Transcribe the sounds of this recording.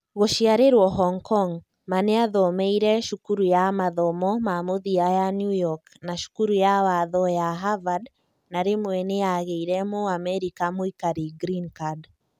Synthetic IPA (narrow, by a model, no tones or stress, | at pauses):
ɣoʃiaɾeɾwɔɦɔŋkɔŋ | maneaðɔmɛiɾɛʃukuɾujamaðɔmɔmamoðiajanjujɔk | naʃu̥kuɾujawaðɔjaɦavad | naɾemwɛnejaɣeiɾɛmoamɛɾikamoikaɾiɡɾinkad